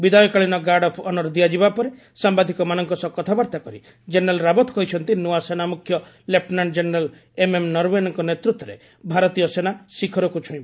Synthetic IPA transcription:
bid̪ajɔkaɭinɔɡaɖɔpʰɔnɔɾd̪ijad͡ʒibapɔɾe | sambad̪ʱikɔmanɔŋkɔsɔkːɔt̪ʰabɔɾt̪akɔɾi | d͡ʒenɾalɾabɔt̪ɔkɔɦit͡ʃʰɔnt̪inuasenamukʰːjɔ | lepnaɳd͡ʒeneɾal | ememnɔɾwenɔŋkɔnet̪ɾut̪ːɔɾḛ | bʱaɾɔt̪ijɔsenasikʰɔɾɔkut͡ʃʰũĩba

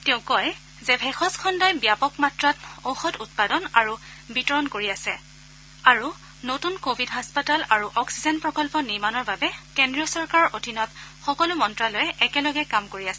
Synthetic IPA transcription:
tɛʊ̃kɔj | zɛbʱɛxɔskʰɔndɔjbijapɔkmatɹatowxɔtut̚padɔnaɹu | bitɔɹɔnkoɹiasɛ̰ | aɹu | notunkobʱidɦaspatalaɹuʔɔksizɛnpɹɔkɔlpɔniɹmanɔɹbabɛkendɹijɔsɔɹkaɹɔɹʔodʱinɔtxɔkɔlʊmɔntɹalɔjɛʔɛkɛlɔɡɛkamkoɹiasɛ

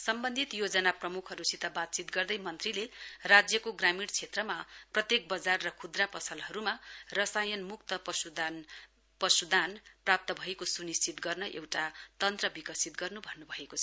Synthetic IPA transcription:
sʌmbʌnd̪ʱit̪jod͡zʌnaprʌmukʰɦʌɾusit̪abat̪̚t͡sit̪ɡʌrd̪ʌjmʌnt̪rilerad͡zjʌkoɡramiɽt͡sʰet̪rʌmaprʌt̪jek̚bʌd͡zarːʌkʰud̪rapʌsʰʌlɦʌɾumarʌsajʌnmuk̚t̪ʌpd̪ | pʌsud̪ʱanprap̚t̪ʌbʱʌekosunist͡sit̪ɡʌrnʌʔḛwʈat̪ʌnt̪rʌbikʌsit̪ɡʌrnubʱʌnːubʱʌekot͡sʰʌ

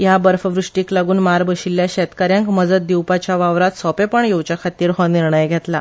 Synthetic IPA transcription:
jabəɾfəʋɾuʂʈiːklaɡuːnmaɾbəɕilːjaɕɛt̪kaɾjãŋkməd͡zət̪̚d̪iwpat͡ɕjaʋaʋɾat̪sɔpepəɳjowt͡ɕjakʰat̪ːiːɾɦɔniɾɳəjɡʱet̪la

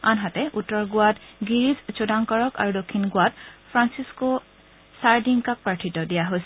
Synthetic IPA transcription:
anɦatɛʔutːɔɹɡʊwadɡiɹizt͡ʃodaŋkɔɹɔka̰ɹudokʰːinɡwatpʰɹansisko | saɹdiŋkak̚paʈʰitɔdijaɦojsɛ

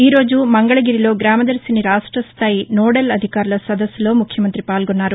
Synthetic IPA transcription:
iːɾo̞ːd͡ʒumɐŋɡɐɭɐɡiɾiloːɡɾaːmɐd̪ɐɾsiniɾaːʂʈɾɐst̪ʰaːjinoːɽelɐd̪ʱikaːɾɐlɐsɐd̪ɐsːɐlo̞ːmukʰjɐmɐnt̪ɾipaːlɡonːaːɾu

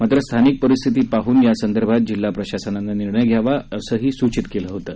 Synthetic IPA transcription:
mat̪ɾəst̪ʰanik̚pəɾist̪ʰit̪̬iːpaɦuːnjasənd̪əɾbʱat̪̚d͡ʑilːapɾəɕasənanːaniɾɳəjɡʱjaʋaəsəːɦiːsut͡ɕit̪keləɦot̪ə

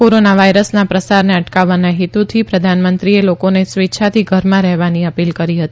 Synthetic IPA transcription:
koɾonaʋajɾəsnapɾəsaɾneəʈkaʋːanaɦit̪ut̪ʰipɾəd̪ʱanmənt̪ɾielokonesʋitːʃʰat̪ʰiɡʱəɾmãɾɛɦʋaniəpilkəɾiɦət̪i

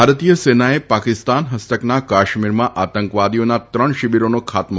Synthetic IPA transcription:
aɾt̪ijəsenaepakɪst̪anɦəst̪əknakaʃmiɾmãʔat̪əŋkʋad̪ijonat̪ɾəɳʃɪbiɾonokʰat̪m

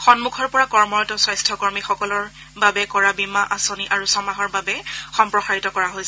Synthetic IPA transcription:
xɔnmukʰɔɹpɔɹakɔɹmɔɹɔtɔswajstʰɔkɔɹmixɔkɔlɔɹ | babɛkɔɹabimaʔasoniʔaɹusɔmaɦɔɹbabɛxɔmpɹɔxaɹitɔkɔɹaɦojs

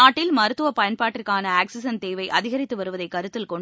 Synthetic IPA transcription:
aːʈːɪlmɐɾɯt̪ːɯʋɐpɐjɐnpaːʈːɪrkaːnɐaːksɪsɐnt̪eːʋɐɪʔɐðɪɣɐɾɪt̪ːɯʋɐɾɯʋɐðɐɪkːɐɾɯt̪ːɪlkɔɳ

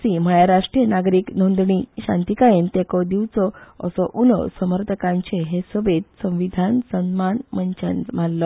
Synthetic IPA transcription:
simajaɾaʂʈɾijənaɡɾiːknond̪ɳiɕã̰nt̪ikajent̪ekɔd̪iʋt͡sɔə̰sɔʔulɔ̰səməɾt̪əkãɲt͡ɕeɦesəbet̪sə̃w̃ʋid̪ʱansənmanməɲt͡ɕə̰nm̤alːɔ

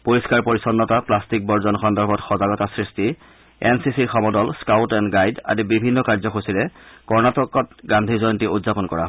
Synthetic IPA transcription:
poɹiskaɹpoɹisɔnːɔtaplastik̚bɔɹzɔnxɔndɔɹbʱɔtxɔzaɡɔtasɹisti | ensisiɹxɔmɔdɔlskawtɛnɡajda̰zibibʱinːɔkaɹzɔkxosiɹɛkɔɹnatɔkɔtɡandʱizɔjɔntiudzapɔnkɔ̰ɹa̰ɦ

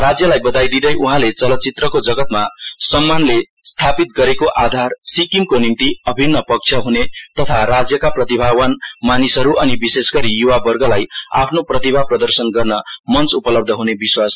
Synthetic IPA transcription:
rad͡zjʌlajbʌd̪ajd̪id̪ʌjʔuɦãlet͡sʌlʌt̪̚t͡sit̪rʌkod͡zʌɡʌt̪̚masʌmːanle | st̪ʰapit̪̚ɡʌɾekoʔad̪ʱarsikimkonint̪iʌbʱinːʌpʌk̚t͡sʰjʌɦunet̪ʌt̪ʰarad͡zjʌkaprʌt̪ibʱawʌnmanisʌɾuʔʌnibisesɡʌɾijuwabʌrɡʌlaja̰pʰnoprʌt̪ibʱaprʌd̪ʌrsʌnɡʌrnʌmʌnt͡supʌlʌbd̪ʱʌɦunebiswas

